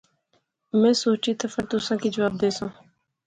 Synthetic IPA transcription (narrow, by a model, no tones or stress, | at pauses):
mɛ̃ːsoːt͡ʃiːt̪əfãːt̪ʊsãːkiːd͡ʒəʋaːb̚d̪eːsõː